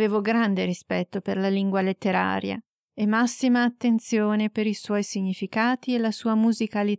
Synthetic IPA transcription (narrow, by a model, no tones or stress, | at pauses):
veːvoɡɾand̪eɾispɛt̪ːoperlaliŋɡwalet̪ːeɾa̰ːɾja̰ | emːasːimaːt̪ːent̪sjoːnepeɾiswɔjsiɲːifikaːt̪ielasuːamuzikali